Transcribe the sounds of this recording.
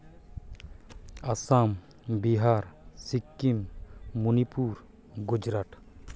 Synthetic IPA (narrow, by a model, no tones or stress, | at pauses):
asam | biɦaɾsikːimːunipuɾ | ɡud͡ʒɾaʈ